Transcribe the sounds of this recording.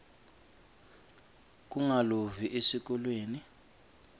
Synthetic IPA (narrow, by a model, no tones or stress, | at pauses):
k̬uŋaloviʔesik̬ʼɔlweːni